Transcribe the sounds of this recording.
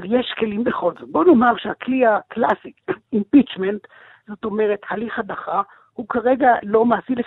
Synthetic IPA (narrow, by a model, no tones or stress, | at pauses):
vjeʃke̞limbeχozbonomaʁʃeaklihaklasiimpit͡ʃment | z̥o̞to̞me̞ʁethaliχadaχa | hukaʁe̞ɡalo̞maːsile